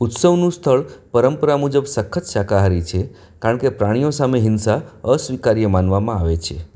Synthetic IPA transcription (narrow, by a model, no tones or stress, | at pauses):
ʊt̪səʋnũst̪ʰəɭpəɾəmpəɾamud͡ʒəbsəkʰːət͡ʃʃakaɦaɾit͡ʃʰe | kaɾə̃ɳkepɾaɽ̃ijosameɦɪnsaəsʋikaɾijəmanʋamãaʋet͡ʃʰe